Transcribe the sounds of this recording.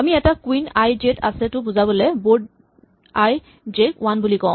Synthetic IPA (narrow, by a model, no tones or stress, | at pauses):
amiɛtakwinajd͡ʒetʰa̰sɛtʊbuzabɔlɛbod̚ | aj | d͡ʒekwanbulikɔ̃ʊ̃